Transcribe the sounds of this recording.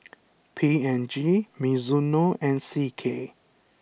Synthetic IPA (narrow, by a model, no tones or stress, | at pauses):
pʰiɛnd͡ʒimizunoʔɛ̃nsikʰe